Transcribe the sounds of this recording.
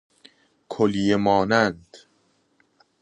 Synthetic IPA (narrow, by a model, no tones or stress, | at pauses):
kʰolijemɒːnænd̪̥